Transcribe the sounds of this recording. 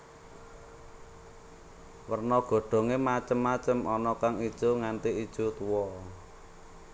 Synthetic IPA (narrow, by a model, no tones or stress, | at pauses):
wərnɔɡ̥o̤ɖ̥o̤ŋemat͡ʃəmːat͡ʃəmʔɔnɔkaŋid̥ʒ̥uŋant̪iid̥ʒ̥ut̪uwɔ